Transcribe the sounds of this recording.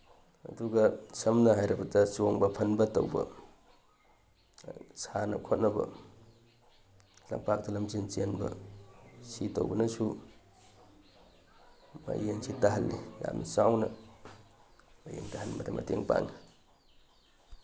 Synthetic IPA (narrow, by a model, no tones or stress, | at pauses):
ɐduɡɐsɐmnɐɦajɾɐbɐdɐt͡ʃoŋbɐpʰɐnbɐtowbɐ̰ | sʰanɐ̰kʰot̚nɐbɐ̰ | lɐmpak̚dɐlɐmzint͡ʃenbɐ̰ | sitowbɐnɐsu | mɐ̰jensʰitaɦɐlːʔija̰mnɐt͡ʃawnɐ | mɐjentahɐnmɐdɐmɐ̰teŋpa̰ŋi